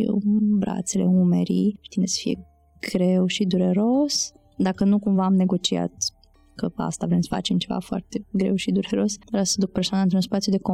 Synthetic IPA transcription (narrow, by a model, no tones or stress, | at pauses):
bɾa̰t̪sele̞ume̞̰ɾḭʃt̪inesə̥fije̞̰ | ɡ̥ɾe̞wʃid̪uɾe̞ɾo̞s | d̪akənukumvaːmne̞ɡo̞t͡ʃia̰t̪ | kəa̰st̪avɾemsə̥fa̰t͡ʃemt͡ʃe̞va̰foa̰rt̪e̞ɡɾe̞wʃid̪uɾe̞ɾo̞svɾassəd̪uk̚persanaɨnt̪ɾunspat̪sijud̪e̞ko